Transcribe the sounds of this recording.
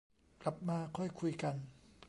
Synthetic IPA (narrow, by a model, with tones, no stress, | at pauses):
kla˨˩p̚maː˧kʰɔ˥˩jkʰu˧jka˧n